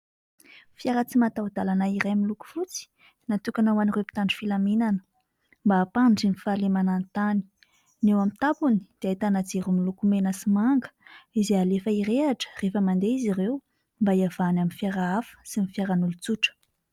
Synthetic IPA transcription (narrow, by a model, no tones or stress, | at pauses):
fjaɾət͡simat̪awd̪alanaiɾajmiluku̥fut͡si̥ | nat̪ukanawanirepi̥t̪aɳɖ͡ʐi̥filaminanə̥ | mbaːpaɳɖ͡ʐinifalemanant̪ani̥ | newamit̪apuni̥d̪̥eat̪anad͡zeɾumilukumenəsimaŋɡə̥izealefaiɾeaʈ͡ʂə̥refəmand̪eizirew | mbaiav̥anaminfjaɾaafə̥simifjaɾanulut͡suʈ͡ʂə̥